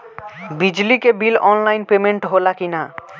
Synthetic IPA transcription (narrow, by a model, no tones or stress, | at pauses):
bid͡ʑlikebilɔnlajnpemeɳʈɦolakina